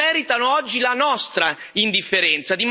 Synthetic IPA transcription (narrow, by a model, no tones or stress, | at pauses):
ɛːɾit̪anoɔd͡ʒːilanɔst̪ɾa | ind̪ifːeɾɛnt̪sad̪im